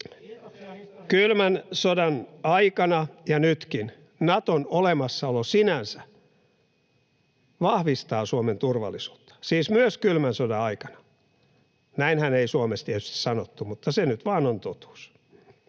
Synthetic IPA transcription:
kylmænsodɑnɑikɑnɑjɑnyt̪kin | nɑt̪onolemɑsːɑolosinænsæ | ʋɑhʋist̪ɑːsuoment̪urʋɑ̰lːˑisu̥ːt̪ːɑ̥siːsmyøskylmænsodɑɑikɑ̥nɑ̥ | næinhæneisuomest̪iet̪y̥st̪i̥ssɑnot̪ːumut̪ːɑsenyt̪ʋɑːnont̪ot̪u̥ːs

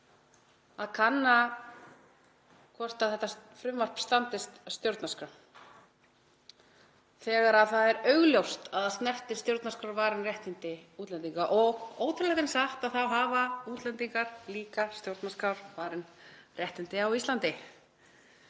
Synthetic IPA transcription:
aðkʰanːa | kʰɔr̥t̪aðθɛht̪ːafɾʏmvar̥pst̪ant̪ɪst̪st̪jowɾt̪naskɾa | θɛːɣaɾaðθaðɛɾœɥɣljowst̪aðast̪nɛr̥t̪ɪ̥st̪joɾt̪naskɾawɾvaːɾɪnrjɛht̪ɪnt̪ɪuːt̪lɛnt̪iŋkaʔɔɣoːwt̪ʰɪɾlɛk̪ɪnsaxt̪aðθawɦaːvauːt̪lɛnt̪iŋkaɾ̥liːkast̪jowɾt̪naskɾawɾvaːɾɪnrjɛht̪ɪnt̪ɪawist̪lant̪ɪ

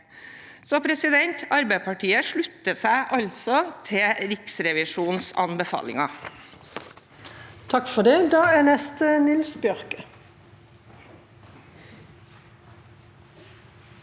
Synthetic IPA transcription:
sɔpʰɾɛsɪd̪ɛnt̪ʰɑɾbæɪpʰɑʈʰiːəʂɭʉt̪ːəsæɪʔɑʎt̪sɔt̪ʰɪɾɪksɾɛʋɪʃuːnsɑ̰nbəfɑ̰ːlɪ̰ŋɑ | t̪ʰɑkfɔɖ̪ɛd̪ɑːæːnɛst̪ənɪlsbjœʁkə

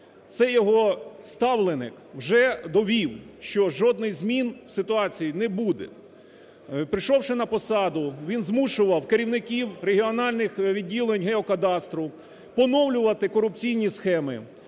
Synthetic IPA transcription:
t̪sɛjɔɦɔst̪ɑwlˠenɪ̰k | wʒɛd̪ɔʋʲiwʃt͡ʃɔʒɔd̪nɪjzmʲinwsɪt̪ʊɑt͡sʲijinɛbud̪ɛ̰ | pɾɪʃɔwʃɪnɐpɔsɑd̪ʊʋʲinzmuʃʊʋɐwkeɾʲiwnɪkʲiwreɦʲiɔnɑlʲnɪxʋʲidʲːilˠenʲɦeɔkɐd̪ɑst̪ɾʊ | pɔnɔwlʲʊʋɐt̪ɪkɔɾʊp̚t͡sʲijnʲisxɛmɪ̰

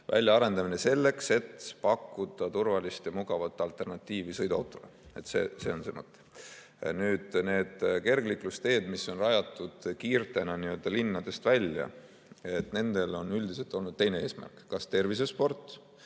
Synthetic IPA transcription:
vʔæ̰lʲjɑɑɾe̞nd̪ɑmine̞se̞lːe̞kse̞t̪pɑkːud̪̥ɑt̪urvɑlist̪jɑmuɡ̥ɑvɑt̪ːˑɑlt̪ˑe̞rnɑt̪ʲˑːiːvisɤjd̪uɑ̰wt̪ːˑo̞lḛe̞t̪ːˑsḛːse̞ːo̞nsemɤt̪ːˑe̥ | nyːd̪̥ne̞ːd̪̥ke̞rɡliklust̪e̞ːd̪miso̞nrɑjɑt̪ːˑud̪̥kiːrt̪e̞nɑniøld̪ɑlinːɑd̪̥e̞st̪vælʲjɑ̰ | e̞t̪ne̞nd̪̥e̞lo̞nːyld̪ise̞lt̪ːˑo̞lnud̪̥̚t̪e̞jne̞eːsmæ̰rkkːɑst̪e̞rvis̬espo̞rt̪ːˑ

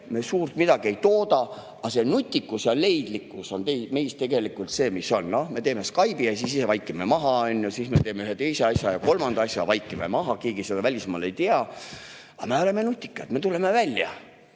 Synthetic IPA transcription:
me̞suːrt̪mid̪ɑɡ̥ie̞jt̪oːd̪ɑ | ɑse̞nut̪ʲːˑikːˑusɑle̞jd̪̥likːˑuso̞nt̪ejme̞jst̪e̞ɡe̞likːˑult̪se̞ːmiso̞nːo̞hme̞t̪e̞ːme̞skɑjbijɑsisise̞vɑjkːˑimemɑɦɑɑnʲːjusisme̞t̪eːmeyɦet̪e̞jse̞ɑsʲjɑjɑko̞lmɑnd̪̥ɑɑsʲjɑvɑjkːˑimḛmɑɦɑkiːɡ̥ise̞d̪ɑvælʲismɑ̰ːlejt̪iɑ | ɑme̞o̞le̞me̞nut̪ʲːˑi̥kːˑɑt̪me̞t̪ule̞me̞vælʲjɑ̰

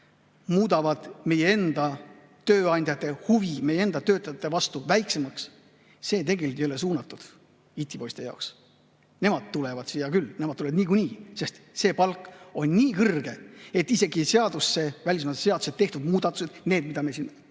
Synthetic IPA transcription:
muːd̪ɑvɑd̪̥me̞je̞e̞nd̪̥ɑ | t̪ø̞ːɑnʲd̪̥ʲjɑt̪ːˑe̞huvime̞jee̞nd̪ɑt̪ø̞ːt̪ːˑɑjɑt̪ːˑe̞vɑst̪uvæjkse̞mɑks | se̞ːt̪e̞ɡe̞lʲik̪ejole̞suːnɑt̪ːˑud̪̥ | it̪ʲːipo̞jst̪ejɑ̰oks | ne̞mɑd̪̥̚t̪ulevɑd̪̥sijɑkylːne̞mɑd̪̚uleɑd̪niːk̬unʲiːse̞st̪se̞ːpɑlkːˑo̞nʲːiːkɤrɡ̥e̞et̪ːˑise̞ɡise̞ɑd̪usːe̞vælʲis̬mɑt̪ːse̞ɑd̪u̥set̪t̪ːe̞ht̪ud̪muːd̪̥ɑt̪ːˑu̥sed̪neːd̪̚mid̪ɑmiesinː

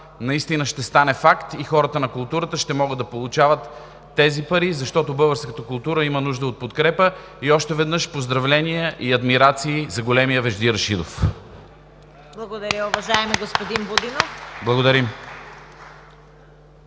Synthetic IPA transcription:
nɐist̪inəʃt̪ɛst̪anɛfakt̪ixɔɾət̪ənɐkʊlˠt̪uɾət̪əʃt̪ɛmɔɡəd̪ːɐpolˠʊt͡ʃavət̪ː | ɛzipɐɾizɐʃt̪ɔt̪obɤɡəɾskət̪əkʊlˠt̪uɾəimənuʒd̪əot̪̚pot̪kɾɛpə | iɔʃt̪ɛvɛd̪nɤʃpozd̪ɾɐvlɛniɛʔiɐd̪miɾat̪siːzɐɡolɛmijəvɛʒd̪iɾʃid̪of | blˠɐɡod̪ɐɾʲəʊvɐʒaɛmiɡospod̪inbod̪inofblˠɐɡod̪ɐɾim

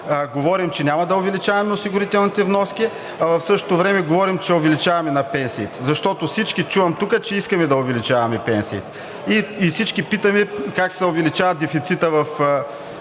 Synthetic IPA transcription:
ɡovɔɾimt͡ʃɛnʲamɐd̪ɐʊvɛlit͡ʃavɐmɛosiɡʊɾit̪ɛlˠnit̪ɛvnɔsk̟i | ɐvɐfsɤʃt̪ot̪ovɾɛmɛɡovɔɾimt͡ʃɛovɛlit͡ʃavɐmɛnɐpɛnsiːt̪ɛ̥zɐʃt̪ɔt̪ofsit͡ʃkit͡ʃuvɐmt̪ukət͡ʃɛiskɐmɛd̪ɐʊvɛlit͡ʃavɐmɛpɛnsiːt̪ɛ̥ | iːsit͡ʃkipit̪əmɛkaksɛʊvɛlit͡ʃavɐt̪d̪ɛfit̪sit̪əvɐf

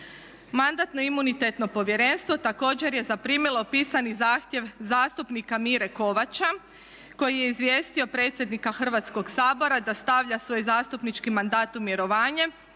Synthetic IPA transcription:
mand̪at̪no̞imunit̪et̪no̞po̞ʋje̞ɾe̞nst̪ʋo̞t̪ako̞ːd͡ʑe̞ɾje̞zapɾiːmilo̞piːsanizaːxt̪ʲje̞ʋzaːst̪upnikamiɾe̞ko̞ʋat͡ɕa | ko̞jije̞izʋjeːst̪io̞pɾet̪sje̞d̪nikaxr̩ʋat̪sko̞ɡsaːbo̞ɾad̪ast̪aʋʎasʋo̞ːjzaːst̪upnit͡ʃkimand̪aːt̪umjeɾo̞ʋaːɲe̞

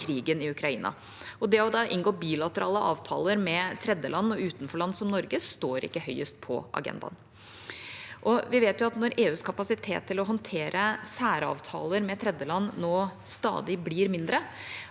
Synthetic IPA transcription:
kʰɾiːɡənɪʉkʰɾɑiːnɑ̰ | ɔd̪ɛɔd̪ɑʔɪnɡoːbiːlɑt̪əɾɑːləʔɑ̰ːʋt̪ʰɑ̰ːləɾmɛt̪ʰɾɛd̪jəlɑnːɔʉːt̪nfɔɭɑnːsɔmnɔɾɡəst̪oːɾɪ̰kːəhœʏəst̪̚pʰɔ̰ʔɑ̰ɡɛ̰nd̪ɑ̰n | ʔɔʋɪʋeːt̪jʊɑt̪nɔɾeːʉːskʰɑpɑsɪt̪ʰḛːt̪ʰːɪlɔɦɔnt̪ʰeːɾʔəsæːɾəɑ̰ːʋt̪ʰɑ̰ːləɾmɛt̪ʰɾɛd̪jəlɑnːnːoːst̪ɑ̰ːd̪ɪbliːɾmɪnd̪ɾə

